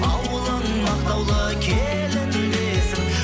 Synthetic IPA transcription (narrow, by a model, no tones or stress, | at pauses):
ɑwəlˠənmɑqt̪ɑwlˠəkʲʰe | lɪnɪlesɪŋ